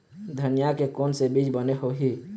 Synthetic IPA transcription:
d̪ʱənijakekonsebid͡ʒbəneɦoɦi

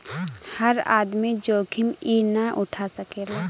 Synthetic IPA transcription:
həɾa̰ːd̪mid͡ʒoːkʰiminaʔʊʈʰasəkeːla

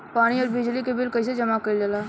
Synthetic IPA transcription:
paːɽ̃iɔːɾbɪd͡ʒlikebɪlkəɪsed͡ʒəmakəid͡ʒəla

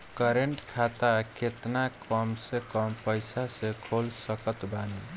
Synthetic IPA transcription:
kəɾeɳʈkʰat̪akʰet̪nakəmsẽkəmpəjsasekʰolsəkət̪bani

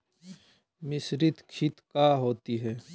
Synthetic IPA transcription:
mɪsɾɪt̪kʰɪt̪kaːɦoːt̪iɦɛː

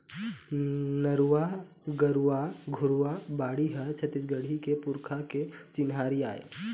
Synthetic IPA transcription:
nəɾuwa | ɡəɾuaɡʱʊɾuwabaːɽiɦɛt͡ʃʰət̪ɪsɡəɽ̤ʱikepʊɾkʰaket͡ʃɪnɦaːɾia̰ːḛː

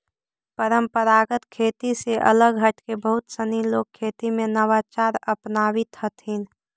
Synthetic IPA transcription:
pəɾəmpəɾaːɡət̪kʰeːt̪iseʔə̰ləɡɦəʈkebəɦʊt̪səniloːɡ̚kʰːeːt̪imẽnəʋat͡ʃaːɾəpnaːʋɪt̪hət̪ɦin

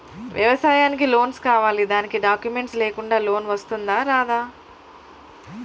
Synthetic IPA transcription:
ʋjɐ̰ʋɐsaːjaːnikilo̞ːnskaːʋaːlid̪aːnikiɖaːkjumeɳʈsleːkuɳɖaːlo̞ːnʋɐst̪und̪aːɾaːd̪aː

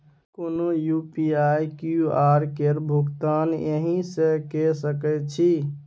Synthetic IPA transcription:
konojupiajkuaɾkeɾbʱuɡt̪anjeɦĩsẽkɛsəkɛt͡ʃʰi

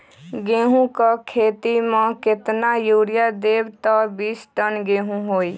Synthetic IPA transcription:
ɡeːɦũkakʰeːt̪imə̃kɪt̪najuːɾjad̪eːbt̪ɔbiːsʈənɡeːɦũɦoːi

